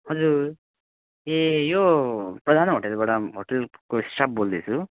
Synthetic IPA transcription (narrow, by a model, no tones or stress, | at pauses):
ɦʌd͡zuɾ | ejopɾʌd̪ʱanɦoʈelbaɽaɦoʈelkoisʈʰab̚bold̪et͡sʰu